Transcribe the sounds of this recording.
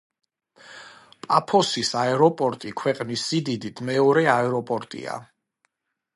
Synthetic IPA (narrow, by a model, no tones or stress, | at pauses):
pʼapʰɔsisaɛɾɔpʼɔɾt̪ʼikʰwɛqʼnisːid̪id̪it̪ʰmɛɔɾɛaɛɾɔpʼɔɾt̪ʼḭa̰